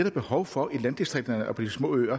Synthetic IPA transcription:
ed̥ɐb̥e̝hɒʊfɒ̽ilænd̥isd̥ʁeɡ̥̚d̥ɐnəʔɒpʰɒ̽d̥ismɔ̰ːø̰ːɐ

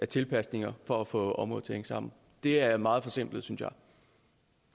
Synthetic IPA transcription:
æɐt͡sʰe̝lpʰæsne̝ŋɐfɒ̽æfɔ̰̽ɒ̽mʁɔðˠt͡sʰeŋsɑ̈m̰n̩ | d̥e̝æɐmɑ̈ːð̩ˠfɒ̽sem̰b̥lð̩ˠsynsjɑ̈ɪ

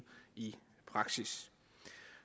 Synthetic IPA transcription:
i | pʰʁɑ̈ɡ̥sis

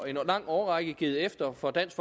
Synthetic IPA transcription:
e̝nlɑ̈ŋ̰ɒːʁɑ̈ɡ̥əɡ̥ið̩ˠefd̥ɐfɒ̽d̥æn̰sɡ̥fɒ

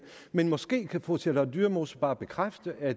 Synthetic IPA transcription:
menmɒ̽sɡ̥e̝̰ːkʰæfɒt͡sʰel̰ɐd̥yːɐmo̝sɐb̥ɑ̈ːb̥e̝kʰʁafd̥əʔæ̥

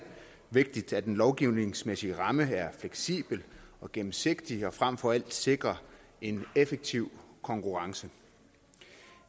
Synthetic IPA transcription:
ʋe̝ɡ̥̚d̥id̥æd̥enlɒʊɡ̥iʊ̰ne̝ŋsmesiəʁɑ̈məæɐfleɡ̥sḭːb̥l̩ɒ̽ɡ̥emm̩se̝ɡ̥d̥iɒ̽fʁam̰fɒ̽æl̰d̥se̝ɡ̥ʁɐ | e̝nefeɡ̥̚t͡sʰiʊ̰kʰɒ̽ŋkʰuʁɑ̈ŋsə

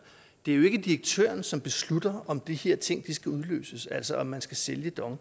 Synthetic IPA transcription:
d̥e̝æɐjo̝e̝ɡ̥əd̥iɐɡ̥̚t͡sʰø̰ɐnsɒ̽mb̥e̝slud̥ɐɒ̽md̥iheɐ̰t͡sʰe̝ŋ̰d̥isɡ̥æuð̞ˠlø̰ːsəsæl̰sɒʔɒ̽mːænsɡ̥æseljəd̥ɒ̽ŋ

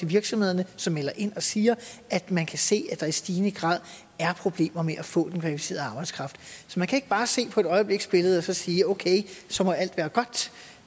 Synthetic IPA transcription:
eʋiɐɡ̥sɒ̽mhe̝ð̞̰ˠɐnəsɒ̽mːelɐʔe̝n̰ɒ̽siːɐʔæd̥mænkʰæse̝̰ːæd̥ɑ̈isd̥iːnəɡ̥ʁɑ̈ːð̰ˠ | æɐpʰʁo̝b̥le̝̰ːmɐmeʔæfɔ̰̽ːd̥enkʰʋælifise̝̰ːɐð̩ˠɑ̈ːb̥ɑ̈ɪd̥skʰʁɑ̈fd̥sɒ̽mænkʰæe̝ɡ̥əb̥ɑ̈ːse̝̰ːpʰɒ̽e̝d̥ɒ̽ɪəb̥le̝ɡ̥sb̥e̝ləð̩ˠɒ̽sɒ̽siːoʊkʰeɪsɒ̽mɒ̽æl̰d̥ʋæːɐɡ̥ɒ̽d̥

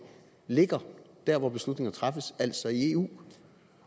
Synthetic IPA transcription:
le̝ɡ̥ɐd̥æɐʋɒb̥e̝slud̥ne̝ŋɐnt͡sʰʁɑ̈fəsæl̰sɒ̽ie̝ːṵː

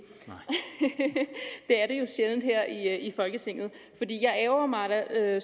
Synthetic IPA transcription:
d̥e̝æɐɾ̥e̝jo̝ɕeln̩d̥heɐ̰iifɒ̽lɡ̥ət͡sʰe̝ŋ̰ð̩ˠ | fɒ̽d̥ḭːjɑ̈ɪɛːʊɐmɑ̈ɪɾ̥æø

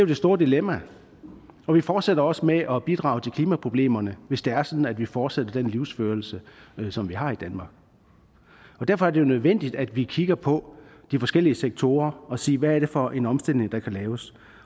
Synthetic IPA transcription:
d̥ejo̝d̥e̝sd̥o̝ːɐd̥ilemæ | ɒ̽ʋifɒːd̥seɾ̥ɐɒ̽səmeʔɒ̽b̥id̥ʁɑ̰̈ʊt͡sʰe̝lkʰliːmæpʰʁo̝b̥le̝̰ːmɐnəʋe̝sd̥e̝æɐsɒ̽d̥n̩æd̥ʋifɒːd̥sed̥ɐd̥enliʊsføːɐl̩səsɒ̽mʋiɦɑ̈id̥ænmɑ̈ːɡ̥ | ɒ̽d̥æɐfɒ̽æɐd̥e̝jo̝nøð̞ˠʋen̰d̥id̥æd̥ʋikʰiɡ̥ɐpʰɒ̽d̥ifɒ̽sɡ̥el̰iəseɡ̥̚t͡sʰo̝̰ːɐɒ̽sḭːʋæːɐɾ̥e̝fɒʔe̝nɒ̽msd̥el̰ne̝ŋd̥ɑ̈kʰælɛːʊs

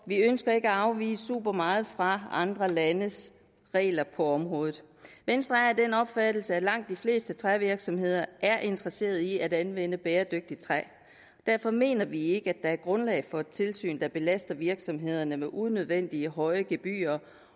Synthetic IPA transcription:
ʋiønsɡ̥ɐe̝ɡ̥æɑ̈ʊʋḭːsəsṵb̥ɐmɑ̈ːð̞̩ˠfʁɑ̈ɑ̈nd̥ʁɐlænəs | ʁɛ̰ːlɐpʰɒ̽ɒ̽mʁɔ̽ːð̩ˠ | ʋensd̥ʁɑæd̥enɒ̽b̥fæd̥l̩səælɑ̈ŋ̰d̥ifle̝̰ːsd̥ət͡sʰʁaʋiɐɡ̥sɒ̽mhe̝ð̞̰ˠɐʔæɐʔe̝nd̥ʁɐse̝̰ːɐð̞ˠiæɾænʋen̰əb̥eːɐd̥øɡ̥̚d̥it͡sʰʁɛ | d̥æɐfɒ̽me̝̰ːnɐʋie̝ɡ̥əæd̥ɑ̈æɐɡ̥ʁɔ̽nlɛ̰ːɪfɒ̽t͡sʰe̝lsy̰ːnd̥ɑ̈b̥e̝læsd̥ɐʋiɐɡ̥sɒ̽mɦe̝ð̞̰ˠɐnəmeʔuðˠnøð̞ˠʋen̰d̥iəɦɒ̽ɪəɡ̥e̝b̥y̰ːɐ

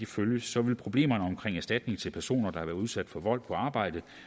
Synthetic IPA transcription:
d̥iføljəsːɒ̽ʋe̝lpʰʁo̝b̥le̝̰ːmɐnəɒ̽mkʰʁeŋæɐsd̥æd̥ne̝ŋt͡sʰe̝lpʰæɐso̝̰ːnɐd̥ɑ̈hɑʋæːɐuð̞ˠsæd̥fɒ̽ʋɒ̽l̰̥̚pʰɒ̽ɑ̈ːb̥ɑ̈ɪ̰d̥ə

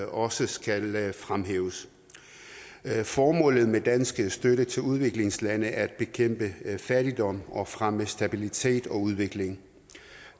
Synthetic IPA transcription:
ɒ̽səsɡ̥ælfʁamɦḛːʊs | fɒːmɔ̰̽ːlð̞̩ˠmed̥ænsɡ̥əsd̥øɾət͡sʰe̝luð̞ˠʋe̝ɡ̥le̝ŋslænəæɐææd̥̚b̥e̝kʰem̰b̥əfæɐɾ̥id̥ɒ̽m̰ɒ̽fʁaməsd̥æb̥ilit͡sʰe̝̰ːd̥ɒ̽uð̞ˠʋe̝ɡ̥le̝ŋ

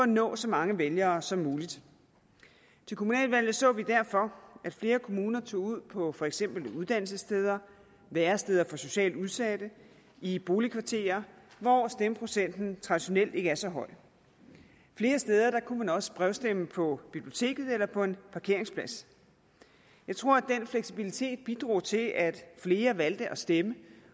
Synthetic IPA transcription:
fɒ̽ænɔ̰̽ːsɒ̽mɑ̈ŋəʋeljɐːsɒ̽mːuːlid̥ | t͡sʰe̝lkʰo̝munɛ̰ːlʋæl̰ð̩ˠsɔ̰̽ːʋid̥æɐ̰fɒ̽ʔæd̥fle̝ːɐkʰo̝muːnɐt͡sʰo̝̰ːuð̞̰ˠpʰɒ̽fɒ̽eɡ̥sem̰b̥l̩uð̞ˠd̥æn̰l̩səsd̥eːð̞ˠɐ | ʋæːɐsd̥eð̞ˠɐfɒ̽so̝ɕɛ̰ːld̥uðˠsæd̥ə | ib̥o̝ːlikʰʋɑ̈t͡sʰe̝̰ːɐʋɒsd̥eməpʰʁo̝sen̰d̥n̩t͡sʰʁɑ̈d̥iɕo̝nel̰d̥e̝ɡ̥əæɐsɒ̽ɦɒ̽ɪ̰̥ | fle̝ːɐsd̥eːð̞ˠɐd̥ɑ̈kʰumænɒ̽sə̥b̥ʁɛʊsd̥eməpʰɒ̽b̥ib̥lio̝t͡sʰe̝̰ːɡ̥ð̞̩ˠelɐpʰɒ̽e̝npʰɑ̈kʰe̝ɐ̰eŋspʰlæs | jɑ̈ɪt͡sʰʁo̝ɐ̰æd̥enfleɡ̥sib̥ilit͡sʰe̝̰ːd̥̚b̥id̥ʁṵːt͡sʰe̝lʔæd̥fle̝ːɐʋæld̥əʔɒ̽sd̥emə

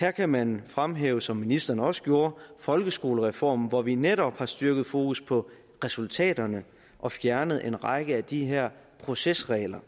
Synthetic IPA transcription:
hæɐ̰kʰæmænfʁamɦḛːʊəsɒ̽mːinisd̥ɐːnəɒ̽sə̥ɡ̥jo̝ːɐfɒ̽lɡ̥əsɡ̥o̝ːləʁɛfɒ̰ːmn̩ʋɒʋineɾɒ̽b̥hɑ̈sd̥yɐɡ̥ð̞̩ˠfo̝ːkʰuspʰɒ̽ | ʁɛsult͡sʰɛ̰ːdɐnə | ʔɒ̽fjæɐnəð̩ˠʔe̝nʁɑɡ̥əæd̥iɦæɐ̰ | pʰʁo̝sesʁɛːlɐ

